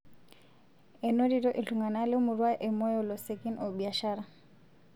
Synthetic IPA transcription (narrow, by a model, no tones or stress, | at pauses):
ɛnɔɾiɾɔʔiɬuŋɡanalɛmuɾwaʔɛmɔjɔlɔsɛkinɔɓiaʃaɾa